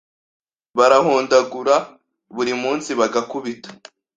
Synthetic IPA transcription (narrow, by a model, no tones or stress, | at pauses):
βaɾahoːndaɡuɾa | βuɾimuːnsiβaɡakuβitḁ